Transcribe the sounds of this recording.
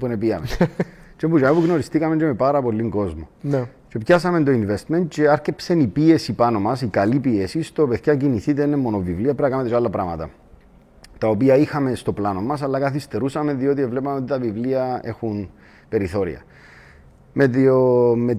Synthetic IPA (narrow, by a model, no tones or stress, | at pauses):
punepiɐmet͡ʃembud͡ʒɐmipuɣno̞ɾist̪ikɐme̞nd͡ʒeme̞paɾɐpo̞lːiŋɡo̞zmont͡ʃepçɐsɐme̞nd̪o̞inve̞st̪me̞nt̪̚t͡ʃe̞ɐɾcepsenipie̞sipɐno̞mɐsikɐlipiesist̪opeθçɐciniθit̪̬einemːo̞no̞vivliɐpɾɐkɐmet̪ealːɐpɾɐmɐt̪ɐ̰ | t̪ɐopiɐixɐme̞st̪o̞plɐno̞mːɐs̬ɐlːɐkɐθist̪e̞ɾusɐmeðio̞t̪̬ievle̞pɐmeot̪it̪ɐvivliɐe̞̰xun | pe̞ɾiθo̞ɾḭɐ̰ | meðiome